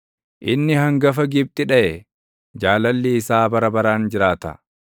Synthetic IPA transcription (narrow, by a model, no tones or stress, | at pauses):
ʔɪnːɪhɐŋɡɐfɐɡɪb̚t̪ʼɪᶑɐʔɛ | d͡ʒaːlɐlːiːsaːbɐɾɐbɐɾaːnd͡ʒɪɾaːt̪ɐ̰